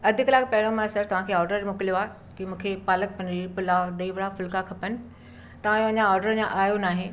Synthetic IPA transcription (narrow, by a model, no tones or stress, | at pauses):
ɐd̪ʱɪklaːɡpɐɪɽ̃õmãsɐɾt̪ɐʋ̤ãkʰeːɔːɾɖəɾmʊkɪljoaː | kimũːkʰepaːlək̚pɐ̃nɾipʊlad̪ɐiʋəɽafʊlkakʰɐpənɪ̆ | t̪ɐʋ̤ãjoɐɲãɔːɾɖəɾd͡ʑãʔaːjonaːɦe